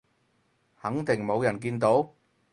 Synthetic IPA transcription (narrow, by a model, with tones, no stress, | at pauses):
hɐ˨˥ŋt̪ɪ˨˩ŋmo˨˧wjɐ˨˩nk̬iː˧nt̪o˨˥w